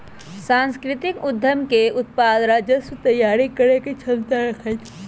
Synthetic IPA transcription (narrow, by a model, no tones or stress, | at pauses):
sãnskɾit̪ikud̪ʱːəmkeut̪̚pad̪ɾad͡ʒəsut̪əjaɾikəɾeket͡ʃʰəlt̪aɾəkʰəjt̪ʰ